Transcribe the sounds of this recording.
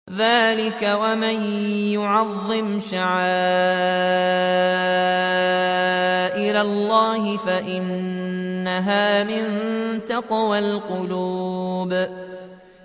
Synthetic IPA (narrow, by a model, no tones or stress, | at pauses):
ðaːlɪkawamanjʊʕɑðˤːɪmʃaʕaː | ʔɪlalːɑːɦɪfaʔɪnː | aɦaːmɪnt̪ɑqwalqʊluːb